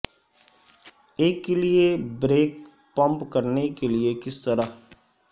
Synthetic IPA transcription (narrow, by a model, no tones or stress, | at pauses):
eːkːeliebɾeːk | pə̃mpkəɾnekelɪekɪst̪əɾaː